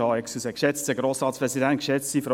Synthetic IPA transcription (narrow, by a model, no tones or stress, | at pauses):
hɑɛksusəkʃɛt͡stəɡɾoːsɾɑːt̪spʁɛsidæntkʃɛt͡sifɾo